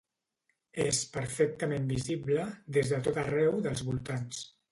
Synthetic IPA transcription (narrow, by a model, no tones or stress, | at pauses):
espəɾfɛk̚t̪əmembiziβləðezðət̪ot̪ərɛwðəlˠzβulˠt̪ans